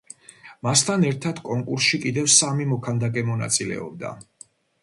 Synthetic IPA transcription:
mast̪ʰanɛɾt̪ʰad̪kʼɔŋkʼuɾsʃikʼid̪ɛvsamimɔkʰand̪akʼɛmɔna̰t̪sʼilɛ̰ɔ̰b̚d̪a̰

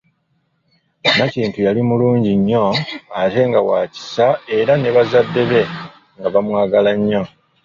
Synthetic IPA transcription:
naciːntujalimuluːɲɟiɲːo̞ate̞ŋɡawaːci̥sae̞ɾane̞βazadːe̞βe̞ | ŋɡaβamwaːɡalaɲːo̞

